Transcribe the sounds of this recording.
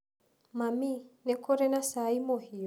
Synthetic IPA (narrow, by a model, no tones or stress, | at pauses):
maminɛkɔɾɛnasaimɔhiɔ